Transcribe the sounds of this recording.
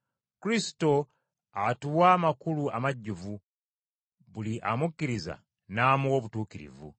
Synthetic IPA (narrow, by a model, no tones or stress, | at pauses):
kuɾisi̥to̞ | atuwaːmakuluamaɟːuvu | βuliʔamukːiɾiza̰ | naːmuoβutuːkiɾḭvṵ